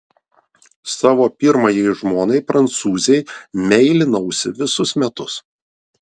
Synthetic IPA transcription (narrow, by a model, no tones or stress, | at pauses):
sɑːʋoːpʲɪɾmɐjɛɪʒmoːnɐɪpɾɐnt̪suːzʲɛɪmʲɛɪlʲɪnɐʊsʲɪʋʲɪsʊsmʲɛt̪ʊs